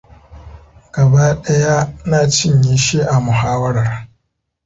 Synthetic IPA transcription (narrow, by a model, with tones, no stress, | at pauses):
ɡ̥ɐ˨ba˦ɗɐ˦ja˦naː˨t͡ʃɪ˦ɲji˦ʃeː˦ʔa˨mʊ˨haː˦wɐ˦ɾɐ˨r